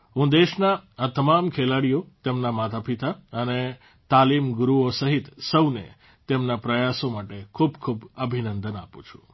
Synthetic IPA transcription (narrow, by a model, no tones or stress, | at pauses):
ɦũd̪eʃnaat̪əmamkʰelaɽijot̪emnamat̪ʰapit̪aəne | t̪alimɡɾuosəɦit̪səwnḛ | t̪emnapɾəjasomaʈekʰubkʰubəbʱinənd̪ənapũt͡ʃʰu̥